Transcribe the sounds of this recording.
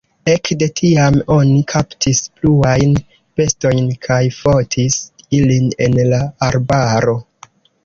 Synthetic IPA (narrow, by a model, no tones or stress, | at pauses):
ekde̞tʰiamo̞nikʰaptʰispluajn | pe̞sto̞jnkʰajfo̞tʰisiline̞nlaːɾbaɾo̞